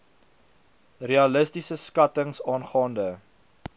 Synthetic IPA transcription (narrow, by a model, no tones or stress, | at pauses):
reɐləstisəskɐtəŋsɑːnχɑːndə